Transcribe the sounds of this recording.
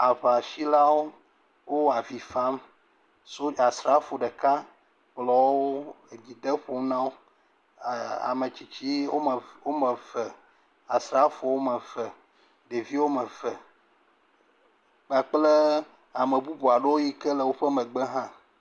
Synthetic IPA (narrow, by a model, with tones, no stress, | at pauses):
a˨ɸa˨ʃi˦la˦wo˦ | wo˦a˨vi˨fa˦m | so˦a˨sɾa˨˦fo˨ɖə˨ka˦ | k͡plɔ˨˦wo˦ | e˨d͡ʑi˨d̪ə˦ɸo˨˦m˦nã˦wo˦ | a̰˨mẽ˨t͡ɕi˨t͡ɕi˦o˦˨wo˦mə˨vɛ˨ | a˨sɾa˨˦fo˨wo˦mə˨və˨ | ɖe˨vi˦wo˦mə˨vɛ˨ | k͡pa˨k͡ple˦ | a˨mə̃˨bu˦bo˨a˨ɖe˦wo˦ji˦kə˦lə˨wo˦ɸə˦mə̃˨ɡ͡be˦ɦã˦